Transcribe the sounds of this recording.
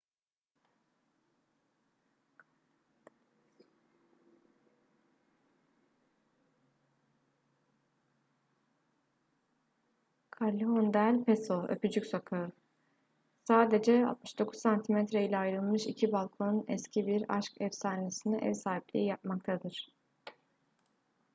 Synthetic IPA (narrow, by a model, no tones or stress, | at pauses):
kʰalʲːiɦond̪ælʲpʰesoøpyd͡ʒycʲsokʰaɯ | saːd̪e̞d͡ʒɛa̰lˠt̪̚mɯʃd̪o̞kʰu̥ssant̪ʰimɛt̪ɾeilʲɛajɾɯlˠmɯʃicʰibalˠkʰo̞nnɛ̰scʰibiɾa̰ʃkɛvsaːnesiniʔɛ̰vsaːɦiplʲḭijap̚makt̪ʰad̪ɯɾ̥